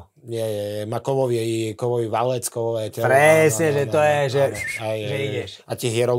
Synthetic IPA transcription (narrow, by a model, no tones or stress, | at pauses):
ɲɛjɛjɛmakɔʋɔʋiɛikɔʋɔʋiʋalɛt͡skɔʋɔʋɛt̪ɛpɾɛsɲɛʒɛt̪ɔjɛʒɛaʒɛiɛʃat̪ɛɦjɛɾɔ